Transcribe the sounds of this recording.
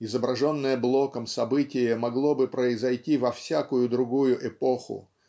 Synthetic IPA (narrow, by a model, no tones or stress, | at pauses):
ɪzəbɾɐʐo̞nːəjəblˠo̞kəmsɐbɨtʲɪjəmɐɡlˠo̞bɨpɾəɪzɐjtʲivɐfsʲakʊjʊd̪ɾʊɡujʊʔɛpoxʊ̰